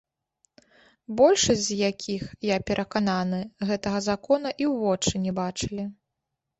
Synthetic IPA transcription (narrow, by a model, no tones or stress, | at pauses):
bɔlʲʂɐsʲzʲjakʲʰixjapʲɛɾʔɐkananɨɣɛt̪ɐɣɐzakɔnɐʔiwvɔt͡ʂɨnʲɛbat͡ʂɨlʲi